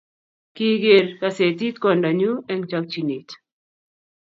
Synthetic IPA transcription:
ki˦ɡe˨ɾka˨se˨t̪̬i˦t̪̚kɔ˨nda˨ɲu˦ɛ˦ŋt͡ʃak̚t͡ʃi˨ni˨t̪

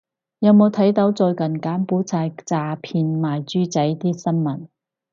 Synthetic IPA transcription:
jɐ˨˧wmo˨˧wt̪ʰɐ˨˥jt̪ɐ˨˥wt͡sɔː˧jkɐ˨˩nkaː˨˥mpuː˨˥t͡sʰaː˧jt͡saː˧pʰiː˧nmaː˨jt͡ʃyː˥t͡sɐ˨˥jt̪iː˥sɐ˥nmɐ˨˩n

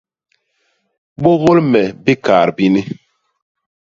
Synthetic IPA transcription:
ɓo˦ɣo˦lmɛ˨bi˦ka̰ː˨ɾbi˦ni˦

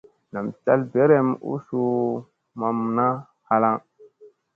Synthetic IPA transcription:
na˨mt͡ʃa˦lbe˦ɾe˦mṵ˦su˦ | ma˨mna˦ | ha˨la˦ŋ

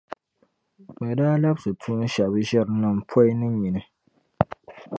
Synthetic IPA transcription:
k͡pɛ˨daː˦la˦bsɨ˨tʰu˦n˦ʃa˨bɨ˦ʒɛ˦ɾɨ˨nɨ˨m̩˨pʰɔ˦ɪ˦nɨ˦mi˨nɨ˦

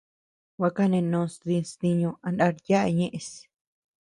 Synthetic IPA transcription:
wʷa˧ka˦nẽ˧nõː˧st̪ĩ˧st̪i˧ɲõ˧a˧nda˧ɾja˦ʔɲẽ˦ʔẽ˧s

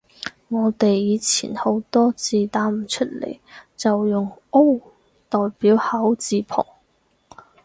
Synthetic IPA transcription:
ŋɔː˨˧t̪e˨jːiː˨˧t͡sʰḭː˨˩nho˨˥wt̪ɔː˥t͡siː˨˧t̪aː˨˥m̩˨˩t͡ʃʰɵ˥t̚lḛ˨˩jt͡sɐ˨wjʊ˨ŋo˥w | t̪ɔː˨jpiː˨˥whɐ˨˥wt͡siː˧pʰɔ̰ː˨˩ŋ

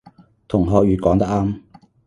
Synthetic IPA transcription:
t̪ʰʊ˨˩ŋɦɔː˧k̚jyː˨˧kɔː˨˥ŋt̪ɐ˥k̚aː˥m

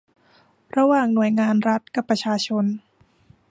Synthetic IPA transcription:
ɾa˧waː˨˩ŋnu˨˩əjŋaː˧nɾa˦˥t̪̚ka˨˩pːɾa˧t͡ɕʰaː˧t͡ɕʰo˧n

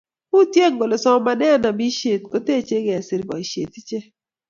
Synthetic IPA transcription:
u˦tje˦˨ŋɡo˨lɔ˨sɔ˦ma˦nɛ˦˨na˨bi˦ʃe˨t̚ko˦te˦˨t͡ʃe˦ɡe˨a˨sɪ˨ɾbɔ̰˨i˨ʃḛ˨ti˦t͡ʃe˦

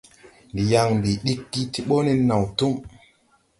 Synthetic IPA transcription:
ndi˨ja˨ŋndi˨ɗi˦kːi˦ti˦ɓo˦ni˦nːa˨wtu˦m

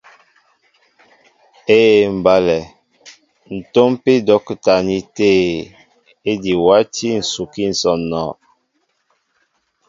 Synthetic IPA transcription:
e˦˨m̩˨ba˦lɛ˨ | n̩˨to˦mpi˦dɔ˦kta˨ni˦teː˦ | e˦di˨wa˦ti˦n̩˨su˨ki˦n̩˨sɔ˨nɔ˨

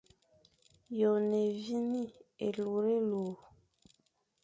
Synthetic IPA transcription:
jo˨ne˨vi˦ni˦e˨lu˨ɾe˦lu˨

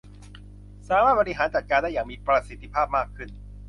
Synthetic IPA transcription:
saː˨˦maː˥˩bɔ˧ɾi˧ɦaː˩˦nt͡ɕa˨˩kaː˧ndaː˥˩jaː˨˩ŋmiː˧pɾa˧si˨˦t̪ʰːi˧pʰaː˥˩p̚maː˥˩kʰɯ˥˩n

